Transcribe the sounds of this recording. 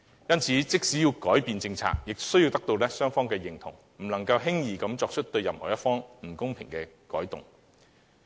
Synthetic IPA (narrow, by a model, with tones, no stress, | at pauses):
jɐ˥nt͡sʰiː˨˥t͡sɪ˥k̚siː˨˥jiː˧wkɔː˨˥jpiː˨˧nt͡sɪ˧ŋt͡sʰa̰ː˧k̚jɪ˨k̚sɵ˥ɥjiː˧wt̪ɐ˥k̚t̪o˧wlɛː˥sœː˥ŋfɔː˥ŋkɛː˧jɪ˨˩ŋt̪ʰʊ̰˨˩ŋ | m̩˨˩nɐ˨˩ŋkɐ˧wɦɪ˥ŋjiː˨˩kɐ˨˧mt͡ʃɔː˧k̚t͡ʃʰɵ˥t̚t̪ɵ˧ɥjɐ˨mhɔ̰ː˨˩jɐ˥t̚fɔː˥ŋm̩˨˩kʊ˥ŋpʰɪ˨˩ŋkɛː˧ | kɔ̰ː˨˥jt̪ʊ̰˨˩ŋ